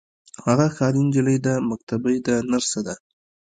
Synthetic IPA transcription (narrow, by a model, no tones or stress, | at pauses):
haɣaxɑɾind͡ʒɪləjd̪əmak̚t̪abəjd̪ənaɾsad̪a